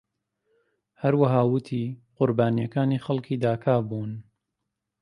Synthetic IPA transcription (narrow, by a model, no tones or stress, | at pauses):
hɐɾwɐɦaːwɨt̪ʰiːqʊɾbaːnijɐkaːniːxɐlkʰiːd̪aːkʰaːbuːn